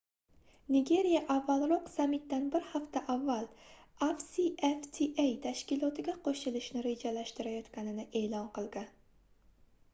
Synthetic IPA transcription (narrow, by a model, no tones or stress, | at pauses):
nɪɡʲe̞ɾijaʔavːalˠɾɒqsamɪt̪̚d̪anbɪɾhaft̪ʰaʔavːalafsieft̪ʰiʔejt̪ʰaʃkʲɪlˠɒt̪ʰɪɡʲaqʰoʃɪlɪʃnɪɾe̞d͡ʒalaʃt̪ɪɾajɒt̪kʲanɪnɪʔe̞ːlɒnqɨlˠɡʲan